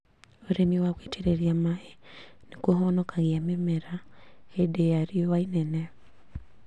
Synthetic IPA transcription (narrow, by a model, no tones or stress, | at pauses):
oɾemiwaɣwetʰeɾeɾiamaenekoɦɔnɔkaɣiamemɛɾaedeaɾiowainɛnɛ